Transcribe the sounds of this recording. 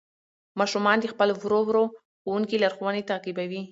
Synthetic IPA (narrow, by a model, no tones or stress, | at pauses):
mɑʃumɑnd̪expəlovɾowɾo | xowuŋkilaɾxowanet̪aqibawi